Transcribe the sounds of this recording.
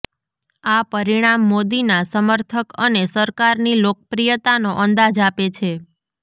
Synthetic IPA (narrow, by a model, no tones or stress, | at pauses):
apəɾiɽ̃amːod̪inasəməɾt̪ʰəkənesəɾkaɾnilok̚əpɾijət̪anoʔənd̪ad͡ʒapet͡ʃʰe